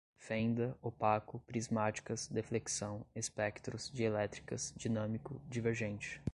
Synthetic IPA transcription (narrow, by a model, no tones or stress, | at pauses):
fẽnd̪ɐopakʊpɾizmat͡ʃi̥kɐzd̪efleksɐ̃w̃espɛkt̪ɾʊz̥d͡ʒielɛt̪ɾi̥kɐzd͡ʒinɐ̃mikʊd͡ʒiveɾʒẽt͡ʃɪ̥